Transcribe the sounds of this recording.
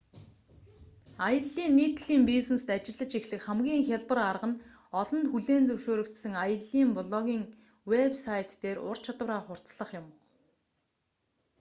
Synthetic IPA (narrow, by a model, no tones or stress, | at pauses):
ajə̆ɮːiːnːiːt̪̆ɮiːmpisnest̪at͡ɕɪ̆ɮːə̆t͡ɕixɮɘ̆kχæmɡʲiːŋxʲaɮpə̆rarʁə̆n | ɔɮɞ̆nt̪xuɮeːnt͡sɵwʃoːɾɵ̆kt̪sɘ̆ŋajə̆ɮiːmpʊɮɔɣʲiːŋ | wepsajt̪ːeːɾʊ̰r̥t͡ɕʰɔt̪ə̆raːχʊr̥t͡sɮə̆χjʊm